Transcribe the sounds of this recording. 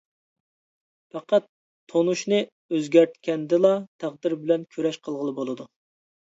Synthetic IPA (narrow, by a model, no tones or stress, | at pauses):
fɑqʰɑt̪ʰː | onuʃnɨ | øzɡʲæɾt̪kʲʰɛnd̪ɪlˠɑt̪ʰæʁd̪ɪɾbɪlɛnkʲʰøɾɛʃqʰəlˠʁəlˠɨbolˠɨd̪u